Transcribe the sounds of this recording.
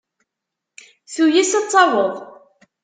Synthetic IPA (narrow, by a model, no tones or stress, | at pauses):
θujisət͡sˤːɑwəðˤ